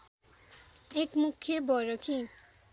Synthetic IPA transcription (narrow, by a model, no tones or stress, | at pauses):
ekmukʰːjebɔɾɔkʰi